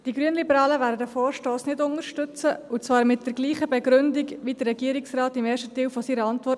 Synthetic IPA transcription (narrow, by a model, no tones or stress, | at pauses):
d̥iɡɾyənlibəɾɑːləvæːɾdədəfoːɾʃtoːsnɪdʊŋəɾʃtʏt͡səut͡svɑːɾmɪt̚d̥ɛɾɡliːχəbɛɡɾʏndɪɡʋidərɛɡiːəɾɪksrɑːtɪmeːɾʃtətiːwfɔsiːɾəɑntʋɔ